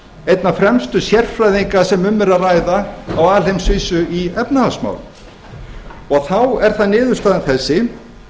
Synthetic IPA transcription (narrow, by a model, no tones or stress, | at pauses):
ejt̪nafɾɛmst̪ʏsjɛr̥fɾajðiŋkasɛmʏmːɛɾaðrajðaːwaːlhejmsviːsʏiɛpnahasma̰ːwl | ɔɣθawɛɾ̥θaðnɪːðʏɾ̥st̪aːðɪnθɛsːɪ